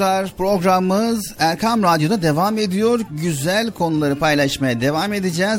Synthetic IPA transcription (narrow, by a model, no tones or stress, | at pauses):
aɾpɾo̞ɡɾamːɯzæɾkʰamɾad̪jod̪ad̪e̞vame̞d̪ijo̞ɾɟyzælʲkʰo̞nulˠaɾɯpʰajlˠaʃmajad̪e̞vame̞d̪id͡ʒɛːz